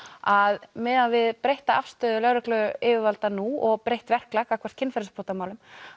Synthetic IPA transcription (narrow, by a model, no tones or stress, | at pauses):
aðmɛðavɪðpɾejht̪aafst̪œːðʏlœɣɾʏklœɪːvɪvalt̪anuɔɣpɾejht̪vɛr̥klakawkʰvɛ̥t̪cʰɪnfɛɾspʰoht̪amaːwlʏm